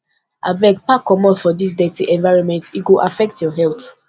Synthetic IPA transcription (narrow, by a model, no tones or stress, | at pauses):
ʔabɛɡpakɔmɔtfɔdis̬dɛtiʔɛ̃nvaɪɹɔ̃nmɛ̃ntiɡuʔafɛk̚tjɔɦɛlt